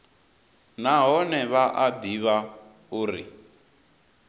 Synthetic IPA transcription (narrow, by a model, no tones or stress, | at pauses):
naɦɔnɛβaʔad̪iβa | uːɾi